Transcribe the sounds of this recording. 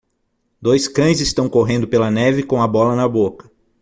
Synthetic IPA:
d̪ojskɐ̃j̃zɪst̪ɐ̃w̃koɦẽnd̪ʊpelɐnɛvɪkõw̃ɐbɔlɐnɐbokɐ̥

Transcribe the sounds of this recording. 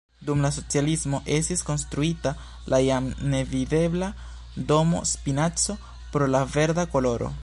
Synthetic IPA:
dumlas̬o̞t͡sialismo̞ʔe̞stisko̞nstɾuita | lʔajamne̞vide̞bla | do̞mo̞̰spinat͡so̞ | pɾo̞lave̞ɾdako̞lo̞ɾo̰

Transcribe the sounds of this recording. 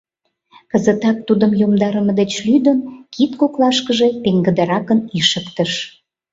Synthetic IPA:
kəzət̪ɑk̚t̪ud̪əmjomd̪ɑɾəməd̪et͡ɕlyd̪ənkit̪koklɑʃkəʒe̽p̪eŋɡəd̪əɾɑkəniʃəkt̪əʃ

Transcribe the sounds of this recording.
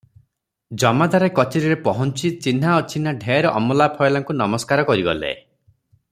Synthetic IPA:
d͡ʒɔmad̪aɾekɔt͡ʃeɾiɾepɔɦɔnt͡ʃit͡ʃin̤aɔt͡ʃʰinaɖʱeɾɔʔɔ̰mɔlapʰɔjlaŋkunɔmɔskaɾɔkɔɾiɡɔ̰lḛ

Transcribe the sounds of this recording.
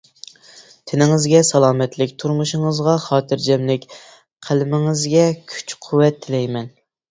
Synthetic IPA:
t̪ʰɪnɪŋɪzɡʲɛsɑlˠɑːmɛt̪lɪkʲt̪ʰuɾmuʃɪŋɨzʁɑχɑːt̪ʰɨɾd͡ʒɛmlɪkʲ | qʰəlɪmɪŋɨzɡʲɛkʲʰy̥t͡ʃqʰuwɛt̪ʰːɪlɛjmɛn

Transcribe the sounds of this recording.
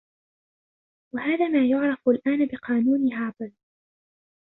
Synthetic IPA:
wahaːðaːmaːjʊʕɾˤɑfalʔaːnabɪqɑːnuːniːhaʕbɑð

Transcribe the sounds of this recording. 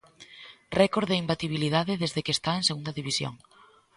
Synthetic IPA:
rɛkoɾðeimbat̪iβ̞iliðaðeðezðekest̪aeŋseɣund̪ɐðiβisjo̰ŋ

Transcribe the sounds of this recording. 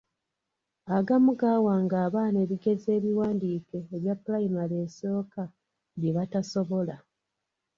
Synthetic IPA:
aɡamuɡaːwaŋɡaːβaːne̞ːβiɡe̞ze̞ːβiwaːndiːke̞ːβjapːulajimale̞ːso̞ːka | βjeβataso̞βo̞la

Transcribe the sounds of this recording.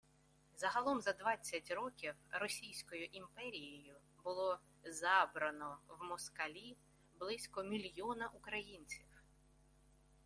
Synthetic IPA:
zɐɦɐlˠɔmzɐd̪ʋɑt͡sʲːɐtʲɾɔkʲiwrɔsʲijsʲkɔjʊʔimpɛɾʲijɔjʊ | bʊlˠɔ | zɑbɾɐnɔwmɔskɐlʲi | blˠɪsʲkɔmʲilʲjɔnɐʔukɾɐjinʲt͡sʲiw

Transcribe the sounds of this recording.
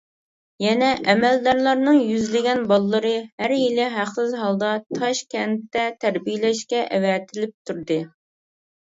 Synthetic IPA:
jɛnɛʔɛmɛld̪ɑɾlˠɑɾnɨŋjyzlɪɡʲɛnbɑlˠːɨɾɨhæɾjilɪɦæqsɨzɦɑlˠd̪ɑt̪ʰɑʃkʲʰɛnt̪ːɛt̪ʰæɾbijlɛʃkʲɛʔɛwɛt̪ʰɪlɪp̚t̪ʰuɾd̪ɨ

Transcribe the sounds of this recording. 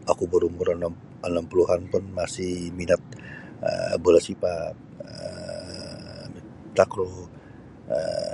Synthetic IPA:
akubəɾumʊɾən | ənampuluɦanpʊnmasɪhminat̪̚ | ə̰bolasipa | ə | t̪akɾo | ə̰

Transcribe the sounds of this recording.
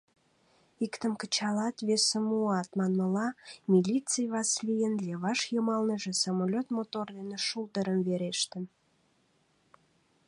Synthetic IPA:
ikt̪əmkət͡ɕɑlɑt̪βesəmuɑt̪mɑnməlɑmʲilʲit͡sɨjβɑslijənlʲeβɑʃjəmɑlnəʒĕsomolʲot̪mot̪ord̪eneʃult̪əɾəmveɾeʃt̪ən

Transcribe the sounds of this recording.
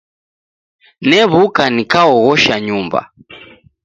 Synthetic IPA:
nɛβukanikaɔɣɔʃaɲumba̰

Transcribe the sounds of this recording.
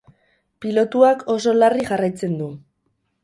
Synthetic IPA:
pilo̞t̪uako̞so̞lariʝarajt͡se̞nd̪u

